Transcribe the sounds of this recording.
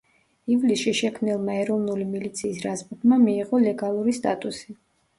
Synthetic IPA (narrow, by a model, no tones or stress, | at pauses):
ivlisʃiʃɛkʰmnilˠmaɛɾɔvnulimilit̪sʰiːsɾazbud̪mamiːʁɔlɛɡalˠuɾist̪ʼa̰t̪ʼusi